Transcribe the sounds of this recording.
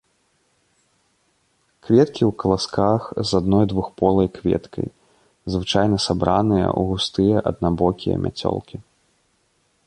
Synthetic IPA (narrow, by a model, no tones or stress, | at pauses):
kvʲɛt̪kʲiwkɐlˠaskaxzad̪nɔjd̪vuxpɔlˠɐjkvʲɛ̰t̪kʰɐ̰j | zvɨt͡ʂajnɐsabɾanɨjɐ̰ʔṵɣust̪ɨjɐʔɐd̪nabɔkʲijɐ̰mʲʔa̰t͡sʲɔ̰lˠkʲi